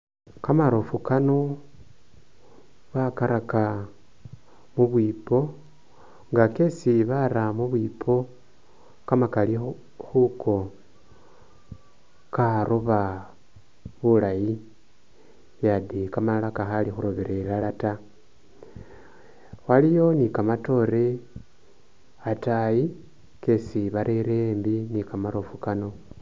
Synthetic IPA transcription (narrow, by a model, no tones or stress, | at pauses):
kamaɾofukano | βakaɾaka | muβwiːpo̞ | ŋɡakesiβaɾamuβwipʰo̞ | kamakali | xukʰo̞ | kaɾoβa | βulaji | jaðikamalakaxalixuɾoβeɾelalata | walijo̞nikamato̞ɾe̞ | ataji | ke̞siβaɾʔeɾeːmbinikamaɾofukano̞